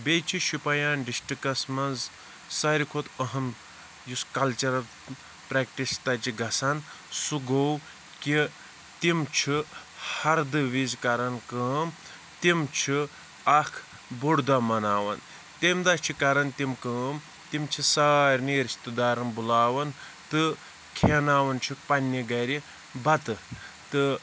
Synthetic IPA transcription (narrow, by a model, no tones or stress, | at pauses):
bʲet͡ʃʰiʃipɐjaːnɖisʈikɐsmɐnz | sɐɾikʰot̪əɦɐn | juskɐlt͡ʃɐɾɐl | pɾɛkʈist̪ɐt͡ʃiɡɐsɐn | suɡow | ki | t̪imt͡ʃʰihɐɾd̪ɨʋizkɐɾɐnkəːm | t̪imt͡ʃʰi | ɐkʰ | buɽd̪amɐnaːʋɐn | t̪emd̪ɐt͡ʃʰikɐɾɐnt̪imkəːm | t̪imt͡ʃʰisaːɾʲniːɾt͡ʃʰt̪ɨd̪aːɾɐnbulaːʋɐn | t̪ɨ | kʰenaːʋɐnt͡ʃʰikpɐnʲːiɡɐɾʲi | bɐt̪ɨ | t̪ɨ